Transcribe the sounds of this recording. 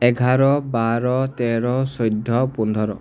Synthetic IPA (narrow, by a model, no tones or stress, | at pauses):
eɡʱaɾɔbaɾɔt̪eɾɔsɔjd̪ʱːɔpund̪ʱɔɾɔ̰